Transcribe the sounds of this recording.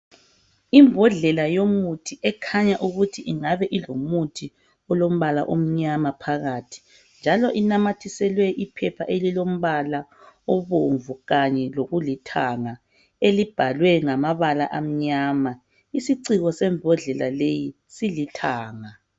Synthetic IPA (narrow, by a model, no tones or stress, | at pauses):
imbʱɔɮɛlajomutʰiʔɛkʰaɲaʔuɣutʰiʔiŋaβɛʔilomutʰi | ɔlom̩βala̰ʔom̩ɲamapʰaɣatʰi̥ | nd͡ʒʱalɔʔinamatʰisɛlwɛʔipʰɛpʰaʔelilom̩βala | ɔβoɱvuɣaɲɛloɣulitʰaŋa | elib̥ʱalwɛŋamaβalaʔam̩ɲama | isiǀiɣɔsɛmbʱɔɮɛlaleji | silitʰaːŋa